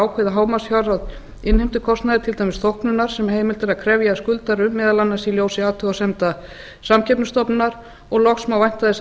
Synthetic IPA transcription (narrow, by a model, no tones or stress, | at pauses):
awkʰɛðaɦaːwmasçaɾað | ɪnhejm̥t̪ʏkʰɔst̪naðɪt̪ʰɪlt̪ajmɪsθowhknʏnaɾ̥sɛmɦeːjmɪlt̪ɛɾaðkʰɾɛvjaskʏlt̪aɾʏmɛːðalanːasiljoːwsɪaːt̪ʰʏasɛmt̪a | samcʰɛpnst̪ɔpnaɾ | ɔɣlɔxsmawvajn̥t̪aðɪs